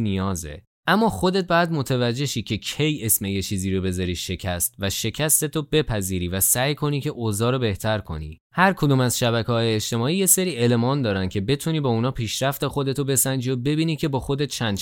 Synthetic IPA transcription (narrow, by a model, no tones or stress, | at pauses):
nijɒːzḛ | æmːɒːxo̞d̪et̪̚bɒjæd̪mo̞t̪ʰevæd͡ʒːe̞ʃiːcʰe̞cʰe̞jesme̞je̞t͡ʃʰiːziːɾo̞be̞zɒɾiːʃe̞cʰæst̪væʃe̞cʰæst̪e̞t̪ʰob̥e̞pʰæziːɾiːvæsæjkʰo̞niːcʰe̞ʔozɒːɾobe̞ht̪ʰæɾkʰo̞̰nḭː | hæɾkʰo̞d̪uːmæzʃæβækʰeɒːjeːʃt̪e̞mɒːiːjese̞ɾiːelemɒːnd̪ɒːɾænd̪̚cʰe̞be̞t̪ʰuniːbɒːunɒːpʰiːʃɾæft̪e̞xo̞d̪e̞t̪ʰobe̞sænd͡ʒiobe̞biːnicʰe̞bɒːxo̞d̪e̞t̪̚t͡ʃʰænd̪